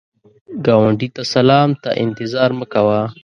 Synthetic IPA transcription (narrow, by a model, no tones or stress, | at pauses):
ɡawaɳɖit̪asalɑːmt̪a̰ʔɪ̰nt̪ɪzɑːɾməkawa